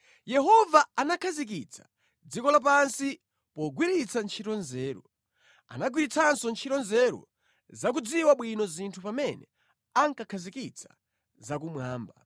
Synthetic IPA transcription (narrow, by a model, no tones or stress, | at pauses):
jɛɦɔvaanakʰazik̬it͡sʰḁ | d͡zikɔlap̬ansi | pɔɡwiɾit͡sʰant͡ʃʰitɔnzɛːɾɔ | a̰naɡwiɾit͡sʰansɔnt͡ʃʰiɾɔnzɛɾɔ̰ | zak̬ud͡ziwaɓwinɔzintʰupamɛnɛ | aŋkakʰazikit͡sʰḁ̰ | zakumwaːmba̰